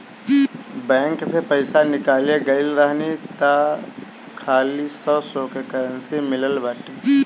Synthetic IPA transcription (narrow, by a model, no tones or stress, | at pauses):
bɛ̃ːŋksepɐɪsanɪkaːleɡɐɪlɾaɦnit̪a | kʰaːlisɔsokekəɾənsimɪləlbaːʈi